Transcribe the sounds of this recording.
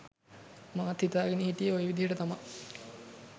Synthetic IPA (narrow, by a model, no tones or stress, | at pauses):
maːt̪ːit̪aːɡenihiʈijəojʋid̪ʱijəʈət̪ama